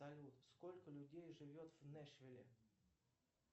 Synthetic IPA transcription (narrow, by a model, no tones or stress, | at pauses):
ɐlʲut̪sko̞lʲkəlʲʊdʲejʐɨvʲo̞t̪v̥nɛʂvʲɪlʲɪ̰